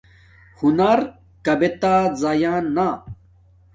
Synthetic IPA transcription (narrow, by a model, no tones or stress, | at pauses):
hunɐɾ | kɐbet̪aːzajaːnːa